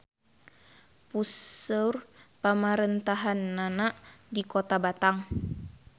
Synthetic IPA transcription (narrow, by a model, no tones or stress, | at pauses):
pusər | pamaɾɛnt̪aɦanːana | dikɔt̪abat̪aŋ